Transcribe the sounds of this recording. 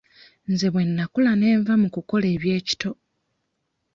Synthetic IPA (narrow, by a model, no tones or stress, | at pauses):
nze̞βwe̞nːakulane̞ːɱvamukuko̞le̞ːβje̞ːci̥to̞